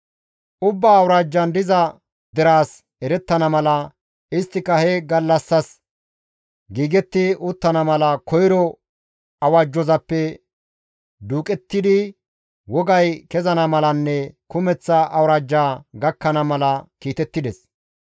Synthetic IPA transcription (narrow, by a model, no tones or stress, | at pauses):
ʔʊbːaːwɾaːd͡ʒːɐnd̪ɪzɐ | d̪ɛɾaːs | ɛɾɛt̪ːɐnɐmɐlɐ | ɪst̪ːɪkɐhɛɡɐlːɐsːɐs | ɡiːɡɛt̪ːɪʊt̪ːɐnɐmɐlɐkɔjɾɔ | ɐwaːd͡ʒːɔzɐpːɛ | d̪uːkʼɛt̪ːɪd̪ɪ | wɔɡɐjkɛzɐnɐmɐlɐnːɛkʊmɛt͡sːɐʔɐwɾaːd͡ʒːaːɡɐkːɐnɐmɐlɐkiːt̪ɛt̪ːɪd̪ɛs